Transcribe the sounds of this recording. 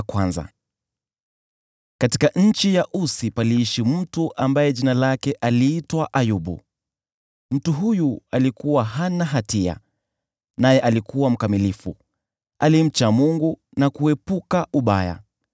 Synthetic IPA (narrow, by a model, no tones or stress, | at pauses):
kwanza̰ | kati̥kaɲ̩t͡ʃijaʔusipaliiʃim̩tuʔambajɛʄinalakɛʔaliːtwaʔajuɓṵ | m̩tuɦujualikuwaɦanaɦatia̰ | najɛʔalikuwam̩kamilifu | alim̩t͡ʃamuŋɡu | nakuɛpukaʔuɓa̰ja̰